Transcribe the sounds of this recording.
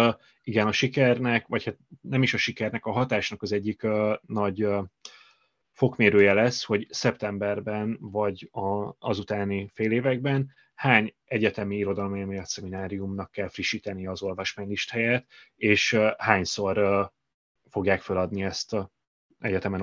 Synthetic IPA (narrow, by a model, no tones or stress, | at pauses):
iɡɛnɒʃikɛrnɛkvɒchat̪̚nɛmiʃɒʃikɛrnɛkɒɦɒt̪aːʃnɒkɒzɛɟːikønɒɟ | fo̞kmeːɾøːjɛlɛsho̞ɟsɛpt̪ɛmbɛrbɛnvɒɟɒɒzut̪aːnifeːleːvɛɡ̚bɛn | haːɲ | ɛɟɛt̪ɛmiiɾo̞d̪ɒlomimijɒt̪sɛminaːɾijumnɒkːɛlfriʃiːt̪ɛnijɛːzo̞lvɒʃmaːɲliʃt̪hɛjɛt̪ | eːʃhaːɲso̞r | fo̞ɡjaːkfølɒd̪niɛst̪ | ɛɟɛt̪ɛmɛn